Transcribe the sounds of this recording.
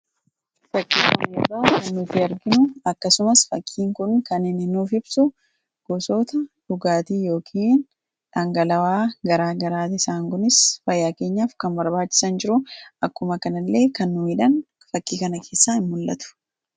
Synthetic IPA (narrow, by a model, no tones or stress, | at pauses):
fɐkʼːiːkʊnbɐʊkɐnːʊfɪɐɾɡɪnʊɐkːɐsʊmɐsfɐkʼːiːŋkʊnkɐnɪnɪnuːfɪb̥sʊ | ɡ̥ɔsoːt̪ɐᶑʊɡaːt̪iːjo̞ːkʰiːn | ᶑaːŋɡɐlɐwaːɡɐɾaːɡɐɾaːt̪ɪsaːŋkʊnɪsfɐjːaːke̞ːɲːaːfkɐnbɐɾbaːt͡ʃːɪ̥sɐnd͡ʒɪɾʊʔɐkːʊmɐkɐnɐlːe̞ːkɐnːʊmiːᶑɐn | fɐkʼːiːkɐnɐkʰe̞ːsːaːɪmːʊlːʔɐ̰t̪ʊ̥